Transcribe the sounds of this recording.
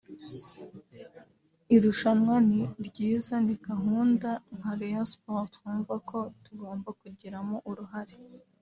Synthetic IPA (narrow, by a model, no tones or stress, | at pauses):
iɾuʃanwaniɾɟiːzaniɡaɦuːndaŋ̥haɾejospotkuːɱvako̞tuɡo̞ːmbakuɟiɾamoʔuɾuɦaɾi̥